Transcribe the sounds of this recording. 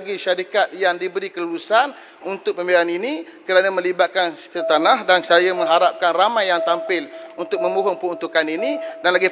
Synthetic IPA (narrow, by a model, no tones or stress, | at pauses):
ɡiʃaɾikat̪̚jaŋdibəɾikəluɾusan | unt̪ʊk̚pəmbelaninĩ | kəɾanəmə̃libat̪̚kansə̥t̪əɾat̪anãhdansajəmə̃ŋɦaɾap̚kanramãjːaŋt̪ampɪlunt̪ʊk̚mə̃mbuɦʊŋpəunt̪ukaninĩdanlaɡi